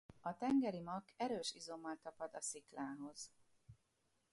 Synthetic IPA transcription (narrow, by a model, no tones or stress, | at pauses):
ɒt̪ɛŋɡɛɾimɒkɛɾøːʃizo̞mːɒlt̪ɒpɒd̪ɒsiklaːɦo̞z̥